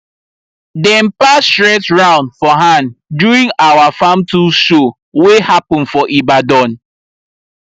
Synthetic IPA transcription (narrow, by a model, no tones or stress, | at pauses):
dɛ̃mpastɹɛtɹãʊ̃ndfɔɦãnduɾĩŋawafamtuʃo | wehapɔ̃n̩fɔʔibadɔ̃n